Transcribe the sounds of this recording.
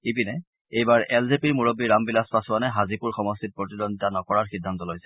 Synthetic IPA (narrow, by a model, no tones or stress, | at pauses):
ipinɛ | ejbaɹɛlzepiɹmuɹobiɹambilaspasʊanɛɦazipuɹxɔmɔstʰit̚pɹotidɔnditanɔkɔɹaɹxidʱːantɔlɔjsɛ̥